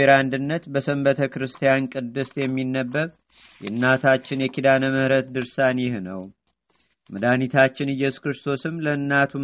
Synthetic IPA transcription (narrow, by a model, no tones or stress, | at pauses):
eɾand̪ɨnːət̪bəsəmbət̪ʰəkɨɾɨst̪ʰijankʼɨd̪ːɨst̪jɛmːinːəbːəβ | jɛ̰ɨnːat̪ʰat͡ʃːɪnjɛkid̪anəməhɾət̪d̪ɨɾsanjɪhnəw | məd̪anit̪ʰat͡ʃːɪnɨjːɛsu̥kɾɨst̪ʰo̞sɨmləɨnːat̪ʰu